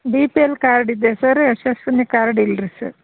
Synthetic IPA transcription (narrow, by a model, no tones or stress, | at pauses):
biːpielkaːɾɖid̪ːesɐɾeʃɐsʈunikaːɾɖilɾisɐ̰ɾ